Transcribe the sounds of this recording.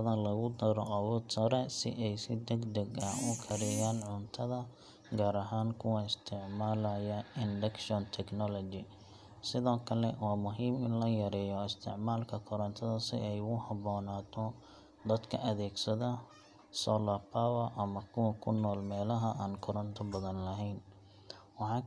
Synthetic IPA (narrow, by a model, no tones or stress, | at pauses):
ɐðɐlɐɣʊd̪ɐɾɔʔɐwɔːd̪sɐɾɛsɪ̰ʔɛjsɪd̪ɐɡd̪ɛɡɐʊkʰɐɾɪjaːnʕʊnt̪ʰɐðɐ | ɡaːɾɐɦaːnkʰʊwɐɪst̪ʰɪʕmaːlɐjɐɪndɐkʃɔnt̪ʰɛknɔlɔt͡ʃɪ | sɪðɔːkʰɐlɛwaːmʊɦiːmɪnlɐjɐɾɛːjɔɪst̪ʰɪ̰ʕmaːlkʰɐkʰɔɾɐnt̪ʰɐðɐsɪ̰ʔɛjʊhɐbɔːnaːt̪ʰɔ | d̪ɐd̪kʰɐʔɐðɛːɡsɐðɐ | sɔlapʰawɐʔɐmɐkʰʊwɐkʰʊnːɔːlmɛːlɐɦɐʔaːnkʰɔɾɐnt̪ʰɔbɐðɐnlɐɦɛjn | wɑħɑː